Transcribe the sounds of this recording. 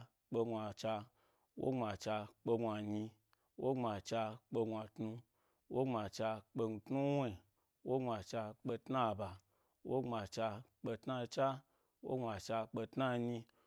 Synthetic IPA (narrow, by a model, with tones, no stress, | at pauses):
k͡pe˧ɡʷa˨t͡ʃa˧ | wo̰˦ŋ͡ma˨t͡ʃa˧k͡pe˧ɡʷa˨ɲi˧ | wo˦ŋ͡ma˨t͡ʃa˧k͡pe˧ɡʷa˨tnu˧ | wo˦ŋ͡mʷa˨t͡ʃa˧k͡pe˧ŋ̩˧tnu˦we˦˨ | wo˦ŋ͡mʷa˨t͡ʃa˧k͡pe˧tna˦˨ba˨ | wo˦ŋ͡ma˨t͡ʃa˧k͡pe˧tna˧t͡ʃa˦ | wo̰˦ŋ͡mʷa˨t͡ʃa˧k͡pe˧tna˦ɲi˧